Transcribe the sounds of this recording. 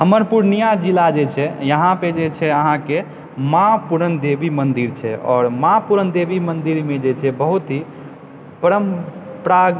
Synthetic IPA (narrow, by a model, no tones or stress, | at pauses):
həməɾpuɾnijad͡ʒilad͡ʒet͡ʃʰɛjəɦãped͡ʒet͡ʃʰɛəɦãke | mapuɾənd̪ebimənd̪iɾt͡ʃʰɛɔ̰ːɾmapuɾənd̪ebimənd̪iɾmed͡ʒet͡ʃʰɛbəɦut̪ɦi | pəɾəmpɾa